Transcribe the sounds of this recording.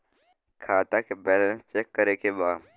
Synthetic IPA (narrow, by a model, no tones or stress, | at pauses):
kʰaːt̪akebɛːlə̃nst͡ʃeːkːəɾekebaː